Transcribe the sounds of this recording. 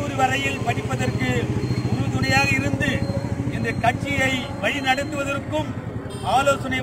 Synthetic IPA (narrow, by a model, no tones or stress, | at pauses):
uːɾiʋɐɾɐjɪlpɐɽɪpːɐðɐrkɯʊɾɯt̪ʊnɐjaːɣɐɪɾɯnd̪ɯɪnd̪ɐkɐʈ̚t͡ʃːɪjɐɪ | ʋɐɻinɐɽɐt̪ːɯʋɐðɐrkːɯm | aːloːsɐnɐɪ